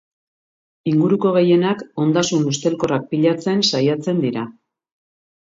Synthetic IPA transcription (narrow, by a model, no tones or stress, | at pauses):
iŋɡuɾuko̞ɣ̞e̞je̞nako̞nd̪asunust̪e̞lko̞rak̚piʎat͡se̞nsajat͡se̞nd̪iɾa